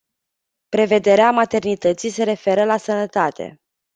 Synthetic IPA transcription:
pɾe̞ve̞d̪e̞ɾeamat̪e̞rnit̪ət̪sijse̞ɾe̞fe̞ɾəlasənət̪at̪e̞̰

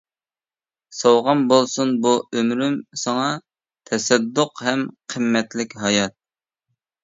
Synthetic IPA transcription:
sɑwʁɑnbolˠsunbuømɾymsɑŋɑ | t̪ʰɛsɛd̪ːʊqɦɛmqʰəmːɛt̪lɪkʲɦɑjɑt̪̚

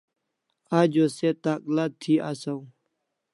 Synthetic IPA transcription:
aːd͡ʑoːset̪aːklat̪ʰːiːʔasaw

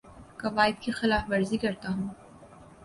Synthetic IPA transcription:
kɐʋaːɪd̪̚kixɪlaːfbɐɾzikɐɾt̪aɦũː

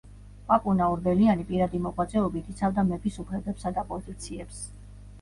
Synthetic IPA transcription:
pʼapʼunaɔɾbɛlianipʼiɾad̪imɔqʼwat̪sʼɛɔbit̪ʰit̪sʰavd̪amɛbisupʰlɛbɛpsad̪apʼɔzit̪sʰiɛps

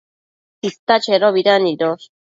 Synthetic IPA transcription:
sist̪at͡ʃeɾoβiɾaniɾos

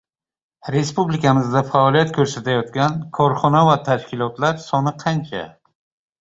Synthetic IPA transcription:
ɾe̞spublɪkamɪzd̪afaɒlˠijat̪̚kʲʰɵɾsat̪ajɒt̪kʲankʰɒɾχɒnavat̪ʰaʃkʲɪlˠɒt̪laɾsɒnɪqʰɑnt͡ʃʰa̰

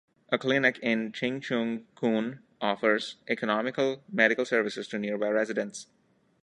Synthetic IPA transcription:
ʔəklɪnɪkɪ̃nt͡ʃɪ̃ŋt͡ʃũŋkʰũːn | ɔːfəɾzʔɛkənɔmɪkəlmɛɖɪkəlˠsəɾʋɪsɪzʈuniɾbaɪɾɛzɪɖə̃ns

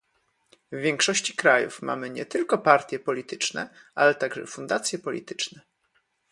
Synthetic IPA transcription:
vvʲjɛŋkʂɔɕt͡ɕi̥kɾajṵfmʔa̰mɘɲɛt̪ɘlkɔpaɾt̪ʲjɛpɔlʲit̪ɘt͡ʂnɛ̰ʔa̰lɛt̪aɡʐɛ̰fund̪at̪sʲjɛpɔlʲḭt̪ɘ̥t͡ʂnɛ

